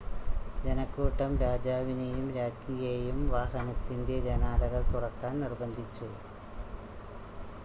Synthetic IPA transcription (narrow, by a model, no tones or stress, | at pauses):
d͡ʑenɐkːuːʈːɐmɾaːd͡ʑaːʋinejumɾaːd͡ʑijejumʋaːhɐnɐt̪ːinde̞d͡ʑɐnaːlɐɣɐɭt̪uɽɐkːaːnnirbɐnd̪ʱit͡ɕːu